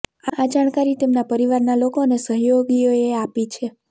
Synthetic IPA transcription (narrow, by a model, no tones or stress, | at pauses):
aad͡ʒaɽ̃kaɾit̪emnapəɾiʋaɾnalokonesəɦjoɡioeapit͡ʃʰe